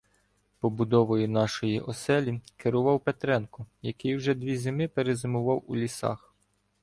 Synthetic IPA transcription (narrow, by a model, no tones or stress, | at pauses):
pɔbʊd̪ɔʋɔjʊnɑʃɔjiʔɔsɛlʲikeɾʊʋɑwpet̪ɾɛnkʊjɐkɪjwʒɛd̪ʲʋʲizʲemɪpeɾezemʊʋɑwulʲisɑ̰x